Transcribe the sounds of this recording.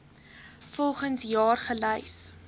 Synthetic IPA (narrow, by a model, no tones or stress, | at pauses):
fɔlˠχənsjɑːrχələjs